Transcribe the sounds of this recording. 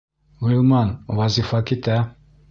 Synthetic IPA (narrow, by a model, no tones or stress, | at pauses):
wilmanwazifakit̪a